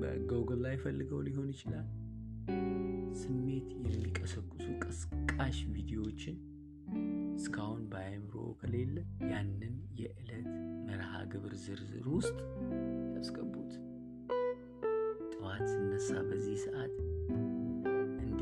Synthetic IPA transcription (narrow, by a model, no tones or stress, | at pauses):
bə̰ɡowɡəllajːfəlːɨɡəwliho̞njɪt͡ʃɪlal | sɨmːe̞t̪jɛmːikʼəsəkʼːʊsukʼɨsɨkʼːaʃvid̪ijo̞t͡ʃːɪn | ɨskʰahunbajmɨɾo̰kʰəle̞lːəjanːɨnjɛʔɨlət̪məɾha̰ɡɨβɨɾzɨɾzɨ̰ɾwʊst̪ʼt̪ʰʼəskʼəbːut̪ | t̪ʼɨmat̪sɨnːəsːa̰bəzːihsɨʔat̪ | ʔɨnd̪